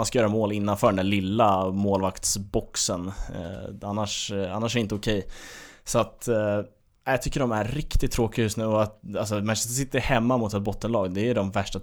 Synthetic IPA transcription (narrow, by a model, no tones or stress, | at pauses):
anskajœːɾamoːlɪnːanfœːɖɛnd̪ælɪlːamoːlvakt̪sbɔksən | anːaʂanːaʂɛɾɪnt̪əʊkʰɛjsɔat̪ | ajɑt̪ʰʏkːəɖɔmæɾːɪkt̪ɪt̪ʰːɾoːkɪjɵst̪nʉ̟ːɔat̪als̬ɔmɛss̬ɪt̪ːəɾhɛmːamʊt̪ɛt̪̚bɔt̪ːənlɑːɡd̪ɛːɖɔmvæʂʈa